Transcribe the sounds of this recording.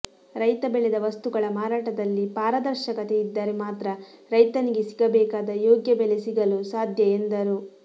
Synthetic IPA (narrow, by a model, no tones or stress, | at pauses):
ɾɐjt̪ɐbɛɭɛd̪ɐʋɐst̪uɡɐɭɐmaːɾaːʈɐd̪ɐlːipaːɾɐd̪ɐɾʃɐkɐt̪eid̪ːaːɾemaːt̪ɾɐ | ɾɐjt̪ɐniɡesiɡɐbɛːkaːd̪ɐjoːɡjɐbɛlesiɡɐlusaːd̪ʱjɐend̪ɐɾu